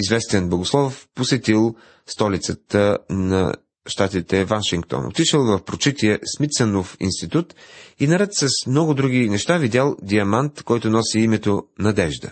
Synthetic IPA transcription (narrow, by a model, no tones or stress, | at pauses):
izvɛst̪ɛnboɡoslˠɔfposɛt̪ilˠ | st̪ɔlit̪sət̪ənɐ̰ | ʃt̪at̪it̪ɛvanʃiŋk̚t̪ɔ̰no̰t̪iʃəlˠvɐfpɾot͡ʃit̪iəsmit̪sənofḭnst̪it̪ut̪inɐɾɛt̪sɐsmnɔɡʊd̪ɾuɡinɛʃt̪avid̪ʲalˠd̪iɐmant̪kɔjt̪ʊnɔsiimɛt̪onɐd̪ɛʒd̪ə̰